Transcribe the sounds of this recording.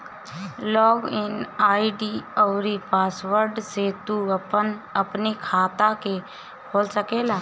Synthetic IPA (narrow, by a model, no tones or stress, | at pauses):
lɔːɡɪnaːiɖiɔːɾipaːsʋəɾɖset̪unɐpnikʰaːt̪ake | kʰoːlsəkeːlaː